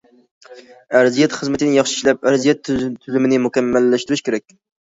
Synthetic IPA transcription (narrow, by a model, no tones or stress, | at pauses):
æɾzijɛt̪χəzmɪt̪ʰɪnɪjɑχʃi̥ʃlɛp̚æɾzijɛt̪t̪ʰːyzymɪnɪmukʲɛmːælːæʃt̪ɪɾɪʃkʲʰeɾɛk̚ʲ